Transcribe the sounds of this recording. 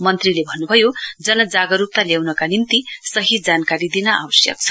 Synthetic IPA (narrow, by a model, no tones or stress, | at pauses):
mʌnt̪rilebʱʌnːubʱʌjod͡zʌnʌd͡zaɡʌɾup̚t̪aljawnʌkanimt̪isʌɦid͡zankaɾid̪inʌa̰wʌsjʌ̰k̚t͡sʰʌ̥